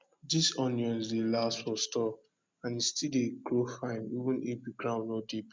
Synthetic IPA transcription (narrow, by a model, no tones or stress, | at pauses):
disɔ̃njɔ̃nsdelastfɔstɔ | ãnistideɡɹofãɪnivũnebiɡɾãʊ̃nɔdep